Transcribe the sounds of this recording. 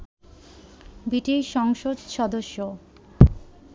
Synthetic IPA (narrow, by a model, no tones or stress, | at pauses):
biʈiʃɔŋʃod̪ʃɔd̪oʃːo